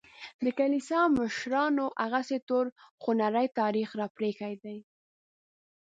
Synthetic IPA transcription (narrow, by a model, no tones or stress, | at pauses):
d̪əkalisɑməʃɾɑnoʔaɣaset̪oɾxʊnaɾajt̪ɑɾixɾɑpɾekajd̪aj